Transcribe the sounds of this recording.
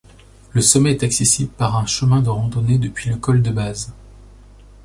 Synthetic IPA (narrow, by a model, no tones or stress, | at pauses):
ləsɔmɛɛt̪aksesibləpaʁɛ̃ʃəmɛ̃d̪əʁɑ̃d̪ɔned̪əpɥiləkɔld̪əbaz